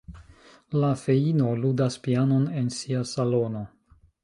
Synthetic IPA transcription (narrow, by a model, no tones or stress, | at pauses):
lafe̞ino̞ludaspiano̞ne̞nsiasalo̞no̞